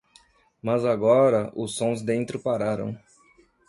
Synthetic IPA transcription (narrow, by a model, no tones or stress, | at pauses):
mɐzaɡɔɾɐʔʊsːõzd̪ẽnt̪ɾʊpaɾaɾɐ̰̃w̃